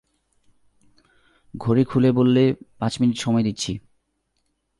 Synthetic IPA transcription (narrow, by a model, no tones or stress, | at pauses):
ɡʱoɾekʰulebolːepãt͡ɕminiʈʃɔmɔed̪itːɕʰi